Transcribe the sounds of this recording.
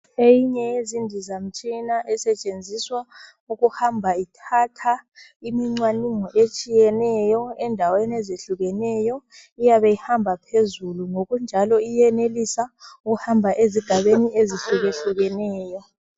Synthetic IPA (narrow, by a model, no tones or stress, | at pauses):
ejiɲɛjezindʱizam̩t͡ʃʼinaʔɛsɛt͡ʃʼend͡zʱiswa | uɣuhambʱaitʰatʰa | imiŋ͡ǀwaniŋɔʔet͡ʃʼijɛnɛjɔɛndʱaweneziɬuɣɛnɛjɔ | ijaβejihambʱapʰezuluŋoɣund͡ʒʱalɔijɛnelisauɣuhambʱaʔeziɡ̥ʱaβenieziɬuɣeɬuɣɛnɛːjɔ